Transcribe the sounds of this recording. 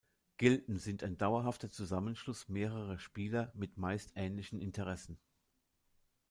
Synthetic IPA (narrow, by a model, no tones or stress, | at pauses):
ɡ̥ɪltn̩zɪntaɪndaʊɐɦaftɐt͡suzamənʃlʊsmeːʁəʁəʃpiːlɐmɪtmaɪstʔɛːnlɪçn̩ɪntəʁ̞ɛsn̩